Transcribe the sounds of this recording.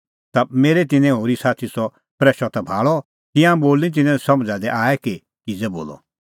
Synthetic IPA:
t̪ameːɾet̪̬ɪnɛ̃ɦoːɾisaːt̪ʰisɔ | pɾɛːʃat̪abʱaːɭɔ | t̪ɪãboːlĩt̪̬ɪnɛ̃sɐmd͡zad̪ɛʔaːɛki | kɪd͡zɛboːlɔ̰

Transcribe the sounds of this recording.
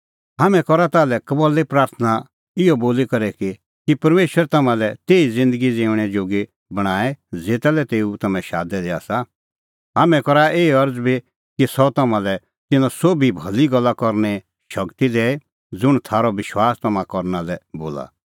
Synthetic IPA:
ɦaːmɛ̃kɔɾat̪aːlɛkɐbɔlːepɾaːɾt̪ʰəna | ɪjɔboːlikɐɾɛki | kipɐɾmeːʃwəɾɛt̪ɐmãlɛt̪eːid͡zɪ̃nd̪əɡid͡zẽːʊɽ̃ɛd͡ʒoːɡi | bɐɽ̃aːɛd͡zeːt̪alɛt̪eːut̪ɐmɛ̃ʃaːd̪ɛd̪ea̰ːsa | ɦaːmɛ̃kɔɾaʔeːɐɾd͡zbi | kisɔt̪ɐmãlɛ | t̪ɪnãsoːbʱibʱɐliɡɔlːakɔɾñɛ | ʃɐkt̪id̪ɛːe | d͡zʊɽ̃t̪ʰaːɾɔʋɪʃwaːst̪ɐmãkɔɾnalɛbo̰ːla̰

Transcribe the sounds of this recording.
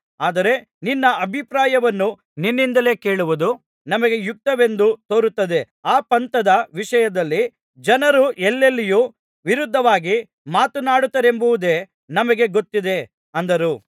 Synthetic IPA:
aːd̪ɐɾe̞ | ninːɐʔɐbʱipɾaːjɐʋɐnːu | ninːind̪ɐle̞ːke̞ːɭuʋud̪u | nɐmɐɡe̞juk̚t̪ɐʋe̞nd̪ut̪oːɾut̪ːɐd̪e̞ | aːpɐnt̪ɐd̪ɐʋiʂɐjɐd̪ɐlːi | d͡ʒɐnɐɾuʔɛlːelːijuː | ʋiɾud̪ʱːɐʋaːɡi | maːt̪unaːɽut̪ːɐɾe̞mbuʋud̪e̞ː | nɐmɐɡe̞ɡot̪ːid̪e̞ | ɐnd̪ɐɾu

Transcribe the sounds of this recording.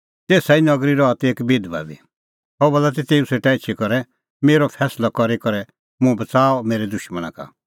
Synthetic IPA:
t̪eːsainɐɡɾiɾɔɐt̪eːkbid̪ba̰ːbḭ | ɦɔbɔlat̪̬it̪eːũseːʈaɪtːʃʰikɔɾɛ | meːɾɔpʰɛːslɔkɔɾikɔɾɛ | mʊ̃bɐt͡saːɔmeːɾɛd̪ʊʃməñã̰ka̰

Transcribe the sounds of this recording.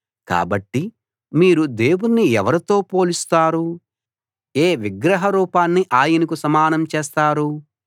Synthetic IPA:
ka̰ːbɐʈːi | miːɾud̪e̞ːwunniɛʋɐɾit̪o̞ːpo̞ːlist̪aːɾu | eːʋiɡɾɐɦɐɾuːpaːnːiʔaːjinɐkusɐmaːnɐmt͡ʃeːst̪aːɾu

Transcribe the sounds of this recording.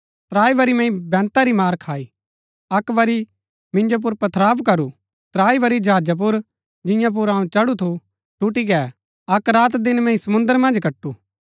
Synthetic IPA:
t̪ɾaːiʋɐɾimɛ̃ĩbɛ̃ːnt̪aɾimaːɾkʰaːi | ɐkʋɐɾi | mɪ̃nd͡ʒop̬ʊɾpɐt̪ʰɾaːbkɐɾu | t̪ɾaːiʋɐɾid͡ʒɦaːd͡ʒap̬ʊɾ | d͡ʒɪ̃jãp̬ʊɾãːũt͡ʃɐɽut̪ʰu | ʈuʈiɡɛː | ɐkɾaːt̪d̪ɪnmɛ̃ĩsɐmʊ̃nd̪əɾmɐ̃nd͡ʒkɐʈːu

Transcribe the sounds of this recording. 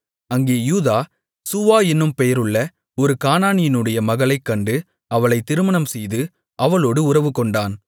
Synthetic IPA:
ɐŋɡeːjuːðaː | sʊʋaːɪnːɯmpɛjɐɾɯɭːɐ | ɔɾɯkaːnaːnɪjɪnɯɽɐjɐmɐɣɐɭɐɪkːɐɳɖɯ | ɐʋɐɭɐɪt̪ːɪɾɯmɐɳɐmsɛjðɯ | ʔɐʋɐɭoːɽɯʊrɐʋɯkɔɳɖaːn

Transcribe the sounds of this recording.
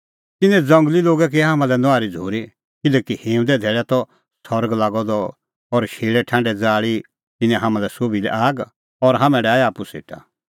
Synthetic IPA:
t̪ɪnɛ̃d͡zɐ̃ŋɡliloːɡɛk̬eɦamãlɛnɔaːɾid͡zʱoːɾi | kɪlɛːkihẽːd̪ɛd̪ʱɛːɭɛt̪ɔ | sɔɾəɡlaːɡɔd̪ɔ | ɔɾʃeːɭɛʈʰãːɳɖɛd͡zaːɭi | t̪ɪnɛ̃ɦamãlɛsoːbilɛ̰ʔaːɡ | ɔɾɦaːmɛ̃ɖɛaːjaːpusḛːʈa̰

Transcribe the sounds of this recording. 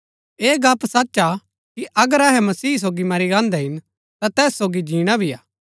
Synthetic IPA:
eːɡaːpsɐtːʃa | kiʔɐɡəɾɛɦɛmɐsiːs̬oːɡimɐɾiɾãːnd̪ɛɦɪn | t̪at̪ɛːsːoːɡid͡ʒiːɽ̃abʱijaː

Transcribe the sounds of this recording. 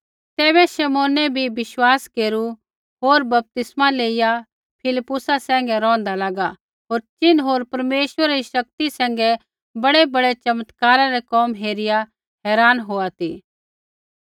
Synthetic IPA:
t̪ɛːβɛʃɛmoːnɛbʱibɪʃwaːskeːɾu | ɦoːɾbɐp̚t̪ɪsmaleːɪja | pʰɪlɪpːʊsasɛ̃ːŋ̆ɡɛɾɔ̃ːnd̪alaːɡa | ɦoːɾt͡ʃɪnɦoːɾpɐɾmeːʃwəɾaɾiʃɐk̚t̪isɛ̃ːŋ̆ɡɛ | bɐɽebɐɽet͡ʃɐmət̪kaːɾaɾɛkɔːmɦeːɾɪja | ɦɛːɾaːnɦoːat̪iː

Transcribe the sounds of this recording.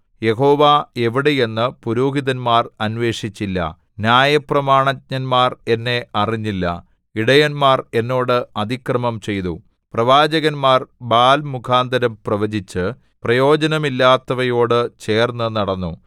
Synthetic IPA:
je̞ɦo̞ːʋae̞ʋiɽe̞je̞nːɨpuɾuːɦiðɐnmaːrɐnʋe̞ːʂit͡ɕːilːɐ̰ | njaːjɐprɐmaːɳɐt̚ɲɐnmaːre̞nːe̞ʔɐriɲːilːɐ̰ | iɽɐjɐnmaːre̞nːo̞ːɽɨɐd̪ʱikrɐmɐmt͡ɕe̞jt̪u | prɐʋaːd͡ʑɐɣɐnmaːrbaːlmukʰaːnd̪ɐɾɐmprɐʋɐd͡ʑit͡ɕːɨ | prɐjo̞ːd͡ʑɐnɐmilːaːt̪ːɐʋɐjo̞ːɽɨt͡ɕe̞ːrnːɨnɐɽɐnːu

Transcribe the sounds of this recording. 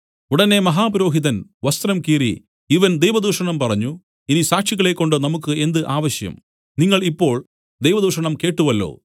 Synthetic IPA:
uɽɐne̞mɐɦaːpuɾo̞ːɦiðɐnʋɐst̪ɾɐmkiːrḭ | iʋɐnd̪ejʋɐd̪uːʂɐɳɐmpɐrɐɲːu | inisaːkʂiɣːɐɭe̞kːo̞ɳɖɨnɐmukːɨe̞nd̪ɨʔaːʋɐɕjɐ̰m | niŋːɐɭipːo̞ːɭ | d̪ejʋɐd̪uːʂɐɳɐmke̞ːʈːuʋɐlːo̰ː

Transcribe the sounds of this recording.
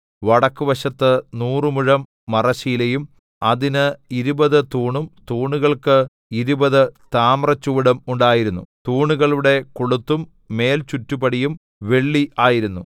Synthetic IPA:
ʋɐɽɐkːuʋɐɕɐt̪ːɨnuːrɨmuɻɐmː | ɐrɐɕijilɐjum | ɐðinɨiɾubɐðɨt̪uːɳumt̪uːɳuɣɐɭkɨ | iɾubɐðɨt̪aːmrɐt͡ɕːuːɽɐmuɳɖaːjiɾunːṵt̪uːɳuɣɐɭuɽe̞kuɭut̪ːumː | e̞ːlt͡ɕutːubɐɽijum | ʋe̞ɭːiʔaːjiɾunːu

